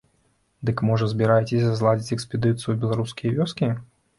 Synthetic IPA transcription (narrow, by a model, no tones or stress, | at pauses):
d̪ɨkmɔʐɐzʲbʲiɾajɛt͡sʲɪsʲazlˠad͡zʲit͡sʲɛkspʲɛd̪ɨt̪sɨjubʲɛlˠaɾuskʲijɐvʲɔskʲi